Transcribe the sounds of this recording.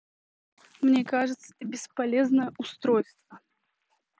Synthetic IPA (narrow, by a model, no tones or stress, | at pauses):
mnʲekaʐɨt̪sə̥t̪əbʲɪspalʲeznəjəʔʊst̪ɾojst̪və